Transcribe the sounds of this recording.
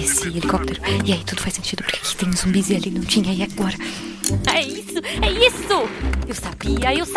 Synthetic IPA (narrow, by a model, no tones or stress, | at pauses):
esɪelikɔp̚t̪eɾʊiait̪ud̪ʊ̥fajsẽnt͡ʃid̪ʊpʊɾke̥kɪ̥t̪ẽj̃ʊzõbizialinɐ̃w̃t͡ʃĩɲɐiaɡɔɾɐ | ɛisʊɛisʊewsabiɐews